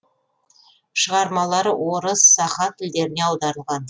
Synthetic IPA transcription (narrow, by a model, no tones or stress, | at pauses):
ʃəʁɑɾmɑlˠɑɾwo̞ɾəsːɑχɑt̪ʰɪld̪e̞ɾɪne̞ɑwd̪ɑɾəlˠʁɑn